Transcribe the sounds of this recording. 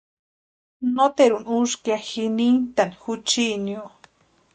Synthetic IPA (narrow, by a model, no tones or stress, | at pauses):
not̪eɾunuskaxinint̪anxut͡ʃinjo